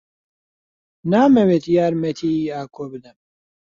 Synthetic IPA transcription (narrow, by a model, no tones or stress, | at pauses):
naːmɛweːt̪jaːɾmɛt̪ʰiːaːkʰoːbɨd̪ɨm